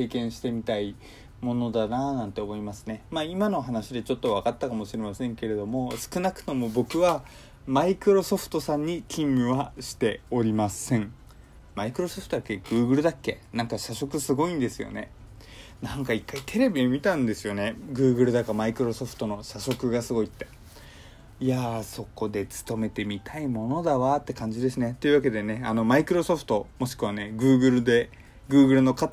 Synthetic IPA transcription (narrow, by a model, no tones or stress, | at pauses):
e̞ːkẽ̞ɰ̃ɕi̥t̪e̞mʲit̪ai | mo̞no̞d̪ananãnt̪e̞omo̞imasɨ̥ne̞maːimano̞ɦanaɕid̪e̞t͡ɕo̞t̪ːo̞βakat̪ːakamo̞ɕiɾe̞masẽ̞ŋke̞ɾe̞d̪o̞mo̞sɨ̥kɯ̟nakɯ̟̥t̪o̞mo̞bo̞kɯ̟βa | maikɯ̟ɾo̞so̞ɸɯ̟̥t̪o̞sãɲ̟ːikʲĩmːɯβaɕi̥t̪e̞o̞ɾʲimasẽ̞ŋ | maikɯ̟ɾo̞soɸɯ̟t̪od̪akːeɡ̥ɯ̟ːɡɯ̟ɾɯ̟d̪akːe̞̰nãŋkaɕaɕo̞kɯ̟sɨɡo̞ĩnd̪e̞sɨjo̰ne̞̰ | nãŋkaikːait̪ʰe̞ɾe̞bʲiemʲit̪ãnd̪e̞sɨjo̞ne̞ɡɯ̟ːɡɯ̟ɾɯ̟d̪akamaikɯ̟ɾo̞so̞ɸɯ̥t̪o̞no̞ɕaɕo̞kɯ̟ɡasɨɡo̞it̪ːe | iaso̞ko̞d̪e̞t͡sɨ̥t̪o̞me̞t̪e̞mʲit̪ʰaimo̞no̞d̪aβat̪ːe̞kãɲ̟d͡ʑid̪e̞sɨne̞t̪o̞iɯ̟βake̞d̪e̞ne̞ano̞maikɯ̟ɾo̞so̞ɸɯ̟̥t̪o̞mo̞ɕi̥kɯβane̞ɡɯ̟ːɡɯ̟ɾɯ̟d̪e̞ | ɡɯ̟ːɡɯ̟ɾɯ̟no̞kat̪